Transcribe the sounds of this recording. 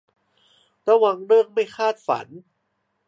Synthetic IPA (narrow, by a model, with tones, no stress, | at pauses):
t̪ɛɔ˦˥˩wa˧ŋɾɯ˥˩əŋ̚ma˥˩jkʰaː˥˩t̪̚fa̰˩˦n